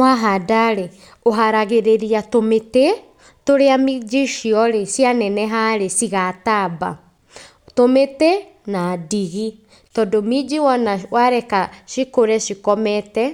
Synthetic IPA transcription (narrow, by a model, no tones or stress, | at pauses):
waɦadaɾe | oɦaɾaɣeɾeɾiatomete | toɾeamid͡ʒiʃiɔɾesjanɛnɛɦaɾesiɣataba̰ | tometɛ | nadiɣi | tɔdomid͡ʒiwɔnawaɾɛkaʃikoɾɛʃikɔmɛtɛ